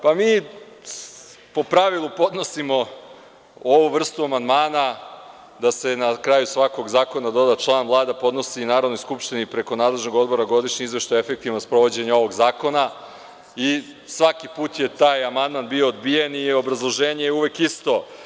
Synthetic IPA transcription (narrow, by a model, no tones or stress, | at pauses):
pamiː | po̞pɾaʋilˠupo̞d̪no̞simo̞ | oʋuʋr̩st̪uamand̪maːna | d̪ase̞nakɾaːjusʋako̞ɡzaːko̞nad̪o̞d̪at͡ʃlˠaːnvlˠaːd̪apod̪no̞siːnaːɾo̞d̪no̞jskupʃt̪inipɾe̞ko̞naːd̪le̞ʒno̞ɡo̞d̪bo̞ɾaɡo̞d̪iʃɲeizʋeʃt̪ojefe̞k̚t̪iʋnospɾo̞ʋo̞d͡ʑe̞ɲao̞ʋo̞ɡzaːko̞na | i | sʋakipuːt̪je̞t̪aːjamand̪manbioːd̪bijenio̞bɾazlˠo̞ʒe̞ːɲejɛuʋekist̪o̞